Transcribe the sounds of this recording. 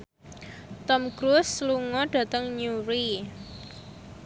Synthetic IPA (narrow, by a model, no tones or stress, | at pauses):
t̪ɔmkɾusluŋɔɖ̥a̤t̪əŋɲuɾi